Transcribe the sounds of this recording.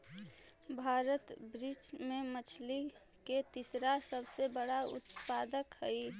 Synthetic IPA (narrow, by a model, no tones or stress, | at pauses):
bʱaːɾət̪bɾid͡ʒmẽmət͡ʃʰli | ket̪isɾasəbsebəɽaʊ̰t̪paːd̪əkɦəi